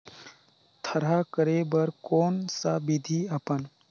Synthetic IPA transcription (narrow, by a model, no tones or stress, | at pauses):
t̪ʰɐɾakəɾebəɾkoːnsabid̪ʱiapən